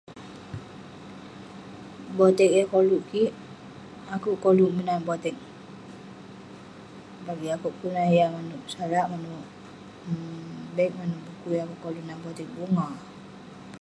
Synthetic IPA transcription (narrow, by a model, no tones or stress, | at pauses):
bɔt̪ɛk̚jakoluʔkiʔ | akuʔkoluʔmənanbɔt̪ɛk̚ | baɡiakuʔkunajamanuʔsaɾaʔmanuʔ | bɛk̚manuʔbukujakuʔkɔluʔnanbɔt̪ɛk̚buŋa